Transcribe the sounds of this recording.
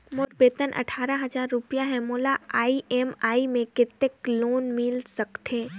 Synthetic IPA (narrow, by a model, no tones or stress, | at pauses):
mʊɾbeːt̪ənʔɐ̰ʈʰaːɾaɦɐzaːɾːʊpijaɦɛmoːlaaːiʔɛːmaːimẽkɪt̪ːekloːnmiːlsɐkt̪eː